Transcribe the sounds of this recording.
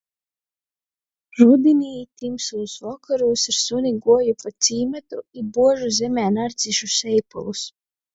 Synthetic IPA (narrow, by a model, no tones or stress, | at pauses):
ɾud̪inʲiːt̪imslˠusvɔkʰaɾuːsiɾsuniɡuɔjupat̪siːmet̪uibuɔʒuzʲɛmʲɛːnaɾt̪siʃusɛjpṵlˠus